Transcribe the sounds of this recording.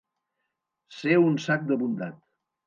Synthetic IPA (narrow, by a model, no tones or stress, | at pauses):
seunsak̚d̪əβund̪a̰t̪